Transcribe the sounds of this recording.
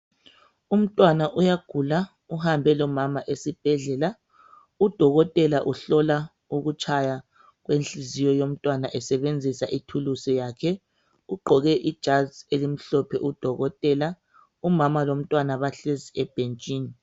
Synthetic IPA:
um̩tʼwanaʔujaɡ̥ʱula | uhambʱɛlɔmamaʔesib̥ʱɛɮɛla | ud̥ʱɔɣɔtʼɛlaʔuɬɔla | uɣut͡ʃʰʼaja | ɣwenɬʼizijɔjom̩tʼwanaʔɛsɛβend͡zʱisaʔitʰulusɛjaːkʰɛ | uɡ͡ǃʱɔɣɛʔid̥ʒ̥ʱazelim̩ɬɔpʰɛ̰ʔud̥ʱɔɣɔtʼɛla | umamalom̩tʼwanaβaɬeziɛb̥ʱent͡ʃʼiːni

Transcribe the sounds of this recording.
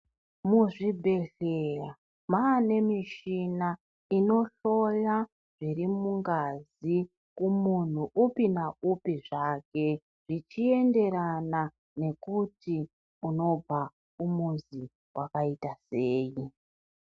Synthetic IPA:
muʐibʱe̞ɬera | maːne̞miʃina | ino̞ɬo̞ja | ʐ̥irimuŋɡazi | kumun̤uʔupinaupiʐake̞ | ʐ̥it͡ʃie̞nde̞ɾana | ne̞kuti | uno̞b͡vʱa | umunzi | wʔakaitaseːji

